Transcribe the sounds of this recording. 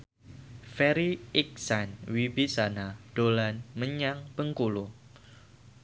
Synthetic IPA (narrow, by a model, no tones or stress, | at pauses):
fɛɾiik̚sanwibisanad̥olanməɲaŋbəŋkulu